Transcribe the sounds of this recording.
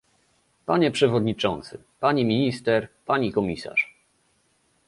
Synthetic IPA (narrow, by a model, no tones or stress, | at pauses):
paɲɛpʂɛvɔd̪ɲit͡ʂɔ̰nt̪sɘ̰ | paɲimʲiɲist̪ɛɾpaɲikɔmʲisa̰ʂ